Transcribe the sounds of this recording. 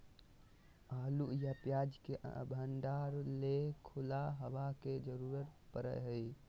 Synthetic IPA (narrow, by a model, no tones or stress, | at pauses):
aːlujapjad͡ʒkeʔə̰bʱəɳɖaɾlekʰulaɦəʋaked͡ʒəɾuɾət̪pəɾə̰jɦəi